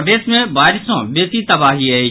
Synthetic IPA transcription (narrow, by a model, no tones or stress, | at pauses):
ʈeːsmẽbaːɪɾɪsõɓeːt̪it̪ɐbaːɦiɐeː